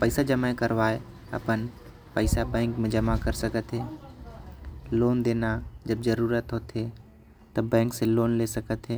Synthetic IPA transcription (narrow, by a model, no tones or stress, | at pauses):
pəɪsad͡ʒɐmaẽkɐɾʋaːe | ɐ̰pən | pəɪsabɛ̃ːŋkmẽd͡ʒɐmakəɾsɐkət̪ɦeː | loːnd̪eːnad͡ʒɐbzɐɾuːɾət̪ɦot̪ʰe | t̪ɐbɛ̃ːŋkseloːnlesɐkət̪ɦeː